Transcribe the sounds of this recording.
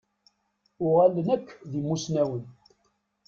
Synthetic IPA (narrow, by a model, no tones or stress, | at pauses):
ʊʁælːənækːðimːusnæwən